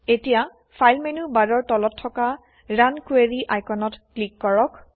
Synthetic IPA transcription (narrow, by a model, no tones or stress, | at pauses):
etija | pʰajlmenubadɔɹtɔlɔtʰːɔka | ɹankueɹiʔajkɔnɔtklikːɔɹɔk